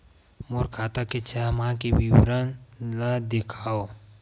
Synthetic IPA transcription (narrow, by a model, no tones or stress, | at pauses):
moɾkʰaːt̪aket͡ʃʰɛmãkewiwɾənlad̪ekʰaːo